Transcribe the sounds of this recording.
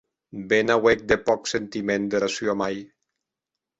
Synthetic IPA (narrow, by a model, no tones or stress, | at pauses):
benawek̚d̪epɔksent̪imẽnd̪eɾasjoamaj